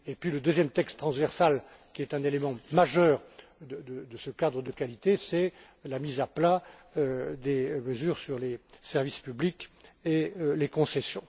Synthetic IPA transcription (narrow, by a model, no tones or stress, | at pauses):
epɥiləd̪øzjɛmt̪ɛkst̪χɑ̃svɛʁsal | kʲiɛt̪ɛ̃nelemɑ̃maʒœːʁd̪əd̪əd̪əsəkad̪ʁəd̪əkalit̪esɛ | lamizapla | d̪eməzyːʁsyʁlesɛʁvispyblikelekɔ̃sesjɔ̃